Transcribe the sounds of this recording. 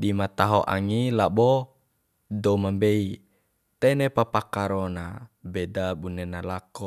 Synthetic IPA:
dimat̪aɦɔ̰ʔa̰ŋilabɔ | dɔmambei | t̪ɛnepapakaɾɔnabedabunenalakɔ

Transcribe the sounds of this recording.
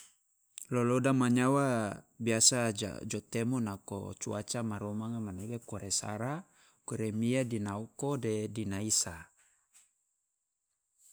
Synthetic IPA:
lolodamaɲawabiasad͡ʒa̰d͡ʒɔt̪emɔnako̰t͡ʃua̰t͡ʃamaɾɔmaŋamanebekɔɾesa̰ɾa | kuɾemiadinaukodedinaisa

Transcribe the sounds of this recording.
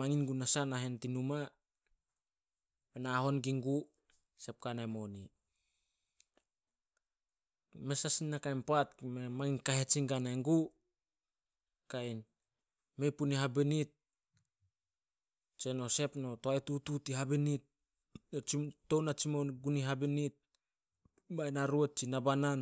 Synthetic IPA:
maŋinɡunasanaɦentinuma | penaɦo̞nɡiŋɡu | se̞p̚kanaemo̞ni | mesasinːakajnpatkmemaŋinkaɦet͡ʃiŋɡanaeŋɡu | kajn | me̞jpuniɦabinit̚ | t͡ʃeno̞se̞pno̞toajtututiɦabinit̚ | t͡ʃiːo̞nat͡ʃimonɡuniɦabinit̚ | bajnaɾuet̚t͡ʃinabanan

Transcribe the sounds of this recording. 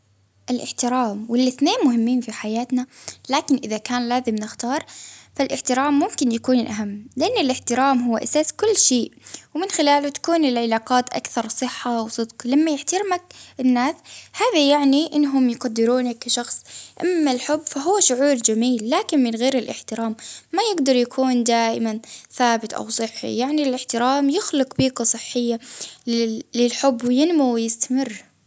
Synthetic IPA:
ʔɪlʔɪħt̪ɪɾaːmwɪlːɪθneːnmʊɦɪmːiːnfiħajaːt̪nalaːkɪnʔɪðakaːnlaːzɪmnɪxt̪ɑːɾˤfalʔɪħt̪ɪɾaːmːʊmkɪnjakuːnlʔaɦamːlɪʔanːɪlʔɪħt̪ɪɾaːmɦʊwːaʔasaːskʊlːʃeːʔwmɪnxɪlaːlʊt̪ḁkuːnɪlʕɪlaːqaːt̪ʔa̰kθɑɾˤsˤɨħːawsˤɨd̪qlamːajɪħt̪ɑɾmakʔɪnːaːshaːðajaʕniʔɪnːɦʊmjɪqad̪ːɪɾuːnakːaʃɑxsˤʔamːalħʊbːfaɦʊwːaʃʊʕuːɾd͡ʒamiːlːaːkɪnmɪnɣeːɾɪlʔɪħt̪ɪɾaːmːajɪɡd̪ɑɾˤjakʰuːnd̪aːʔɪmanθaːbɪt̪ʔa̰wsˤɨħːḭjaʕnilʔɪħt̪ɪɾaːmjɪxlɪqbiːqasˤɨħːɪjːalɪːɪlħʊbːwɪjɪnmuwɪjɪst̪amɪrː

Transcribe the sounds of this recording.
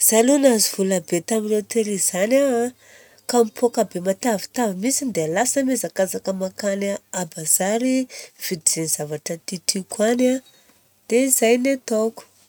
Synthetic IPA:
z̥alunaziv̥ulabet̪aminret̪eɾiz̥ana | kamipʰokabemat̪avi̥t̪avimisind̪ealasəmezakazakəmakanaabaz̥aɾiv̥id̪iz̥eniz̥avaʈ͡ʂət̪itʰikwana | d̪̥eizajnet̪oku̥

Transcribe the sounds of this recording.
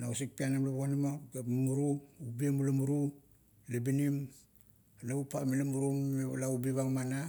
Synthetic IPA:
nausik̚pianamlaβanimaɡamuɾuubiemulamuɾu | lebinim | laupamilamuɾumelaubiβaŋmana

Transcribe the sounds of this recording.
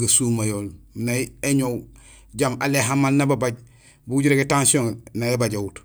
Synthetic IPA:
ɡasumajolminaeɲow | ɟama̰leɦamːalnababaɟ | buɡuɟiɾeketansioŋnajebaɟaut

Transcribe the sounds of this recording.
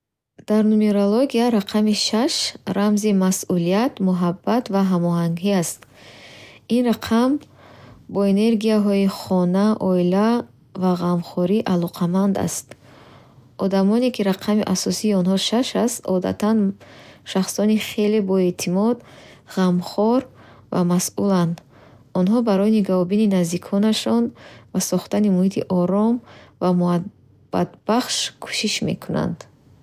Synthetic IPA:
d̪̥aɾnumeɾoloɡiaɾaqʰamiʃaʃɾamzimasulijat̪muɦabːat̪vaɦamɔɦaŋɡiast̪ | inɾaqʰam | bɔene̞ɾɡijaɦɔiχɔnaʔɔila | vaʁamχɔɾiʔalɔqʰamand̪a̰st̪ | ʔɔd̪amɔnekiɾaqʰamiʔasɔsiːɔnɦɔʃaʃast̪ɔ̰d̪a̰t̪ʰanʃaχsɔniχe̞le̞bɔe̞t̪ʰimɔd̪ʁamχɔɾ | va̰masuland̪ | ɔnɦɔbaɾɔjniɡavɔbininazd̪ikʰɔnaʃɔnvasɔχt̪animuhit̪ʰḭʔɔɾɔmvamua | b̥a̰d̪b̥aχʃkʰu̥ʃiʃme̞̰kʰuna̰nd̪̥

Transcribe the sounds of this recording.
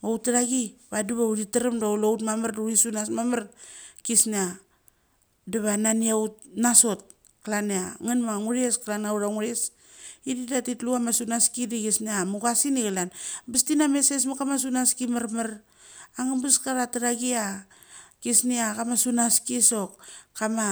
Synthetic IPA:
mowtːaɾaɡibadiβauɾiteɾemdawloutmamaɾduɾisunasmamaɾkisnea | deβananiaut̚naso̞t̚ | klaneaŋanmaŋuɾieskalanauɾaŋuɾes | ididatitluamasunaskidiɡisneamuɡasiniɡalanbistinameses̬makamas̬unaskimaɾmaɾ | aŋabaskaɾataɾaɡia | kisniakamasunaskiso̞kkːama

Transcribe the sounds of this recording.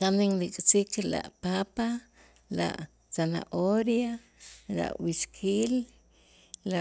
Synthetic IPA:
t̪aniŋlit͡ʃʼt͡sik̚t͡ʃila̰ʔpapa | la̰ʔ | t͡sana̰ʔoɾja | la̰ʔwiʃkʰiːlː | a

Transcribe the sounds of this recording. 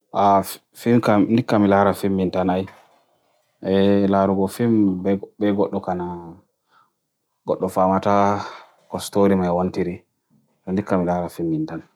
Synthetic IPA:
ʔa | fimkandikːamilaɾafimːintanaj | ʔɛlaɾuɡɔfimbbɛɡɔɗːɔkana | ɡ̥ɔɗːɔfamata | kɔstoɾimajwontiɾi | tɔndikːamilaɾafimːintan

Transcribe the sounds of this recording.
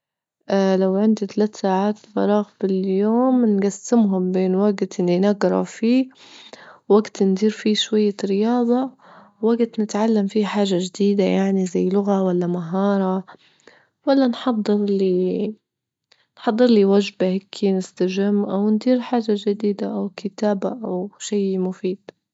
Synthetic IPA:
ʔlawʕɪnd̪it̪alaːt̪saːʕaːt̪fɑ̰ɾˤɑːɣbɪljoːmnɡasːɪmɦʊmbeːnwaɡt̪ʔɪnːinaɡɾˤɑ̰fiː | waɡt̪nd̪iːɾfiʃwajːaɾɪjɑːd̪ˤɑ | waɡt̪nɪt̪ʕalːamfiħaːʒaʒd̪iːd̪ajaʕnizajːlʊɣawalːamaɦɑːɾˤɑ | walːanħɑd̪ˤːɨɾliː | nħɑd̪ˤːɨɾliwaʒbahekʰːinɪst̪aʒɪmːʔawnd̪iːɾħaːʒad͡ʒɪd̪iːd̪aʔawkʰɪt̪aːbaʔawʃajmʊfiːd̪̥

